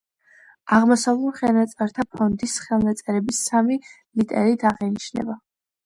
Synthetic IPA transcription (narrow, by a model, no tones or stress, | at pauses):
aʁmɔsavlˠuɾχɛnat̪sʼaɾt̪ʰapʰɔnd̪isχɛlˠmat̪sʼɛɾɛbisami | lit̪ʼɛ̰ɾit̪ʰaʁɛnit͡ʃʰnɛ̰ba